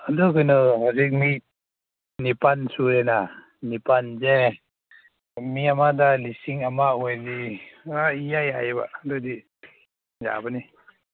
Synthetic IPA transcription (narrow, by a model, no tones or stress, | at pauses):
adukɯnɯɦazik̚mi | nipansuɾɛna | nipanzɛ | miamadalisiŋamaojziaijajajba̰dudi | ja̰bani